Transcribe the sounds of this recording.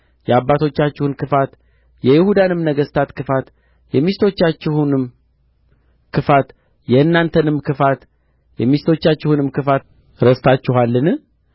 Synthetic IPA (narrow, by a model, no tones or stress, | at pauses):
jɛabːat̪ʰo̞t͡ʃːat͡ʃːɪhunkʰɨfat̪ | jɛjɪhud̪anɨmnəɡəst̪ʰat̪kʰɨfat̪ | jɛmist̪ʰo̞t͡ʃːat͡ʃːɪhunɨm | kʰɨfat̪ | jɛɨnːant̪ʰənɨmkʰɨfat̪ | jɛmist̪ʰo̞t͡ʃːat͡ʃːɪhunɨmkɨfat̪ | ɾəst̪ʰat͡ʃːɪhalːɨnɨ